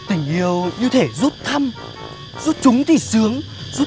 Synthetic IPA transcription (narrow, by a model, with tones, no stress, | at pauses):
t̪ï˧˩ŋ̟ʔi˧əwɲɨ˧t̪ʰe˧˩zu˦˥t̚t̪ʰə˧m | zu˦˥t̚t͡ɕʊ˨˦ŋ͡mt̪ʰi˧˩sɨ˨˦əŋ | zu˦˥